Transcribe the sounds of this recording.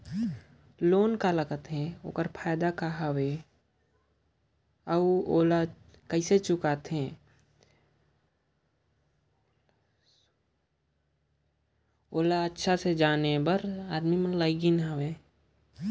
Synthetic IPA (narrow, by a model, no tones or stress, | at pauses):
loːnkaləɡət̪ɦɛ̃o̰ːkəɾpʰaːjd̪akaɦəweː | əoːla | kəɪset͡ʃʊkat̪ɦɛ̃ː | oːlaətːʃʰased͡ʒaːnebəɾaːd̪mimənləɡinɦəweː